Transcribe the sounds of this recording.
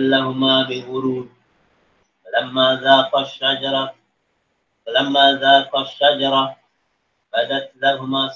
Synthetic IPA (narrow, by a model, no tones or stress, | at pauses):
lːaɦʊmaːbɪɣʊɾuːd̪̚ | alamːaːðaːqaʃːad͡ʒɑɾˤɑ | alamːaːðaːqaʃːad͡ʒɑɾˤɑ | bad̪at̪laɦʊmaː